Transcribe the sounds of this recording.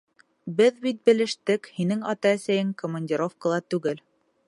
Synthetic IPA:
bɘðbit̪̚bɘ̆lɘ̆ʃt̪ɘkhinɘŋɑt̪ɑæsæjɘŋkŏmɐnʲdʲiɾo̞fkəlˠɑt̪ʉɡɘl

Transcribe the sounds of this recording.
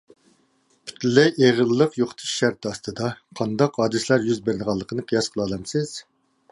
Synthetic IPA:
pʰy̥t̪lɪeʁəlːəqjoχt̪ʰɨ̥ʃʃæɾt̪ʰɑst̪ɨd̪ɑqʰɑnd̪ɑqhɑːd̪ɨslæɾjyzbeɾnəʁɑlˠːəqʰənɨqʰijɑsqʰəlˠɑlˠɑmsɪz̥

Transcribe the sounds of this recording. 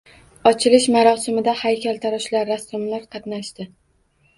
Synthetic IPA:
ɒt͡ʃʰɪlɪʃmaɾɒsɪmɪd̪ahajkʲʰalˠt̪ʰaɾɒʃlaɾːasʊmlaɾqʰɑt̪naʃt̪ɪ

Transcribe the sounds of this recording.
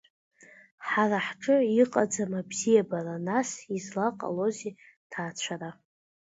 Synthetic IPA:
ħaraħʈ͡ʂʼɨiqʼad͡zamabz̥ijabaranasizlaqʼa̰lo̞ze | tʰaːt͡ɕʷʰaɾa

